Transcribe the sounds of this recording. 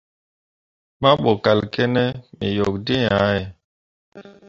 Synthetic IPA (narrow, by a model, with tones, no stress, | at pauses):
ma˦ɓo˨ka˨lkɛ˦nɛ˦mḭ˨jɔ˨kdi˦ja˦ɛ˨